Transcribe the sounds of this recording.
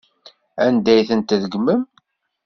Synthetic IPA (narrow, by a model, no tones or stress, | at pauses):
ænd̪æjθənt̪ðəɡməm